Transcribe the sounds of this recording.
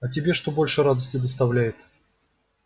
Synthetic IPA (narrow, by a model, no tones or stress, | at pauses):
ɐtʲɪbʲe̞ʂt̪o̞bo̞lʲʂɨɾad̪əsʲtʲɪd̪əs̬t̪ɐvlʲæjɪt̪